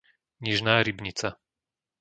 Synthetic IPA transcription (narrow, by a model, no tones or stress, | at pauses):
ɲiʒnaːɾibɲit͡sa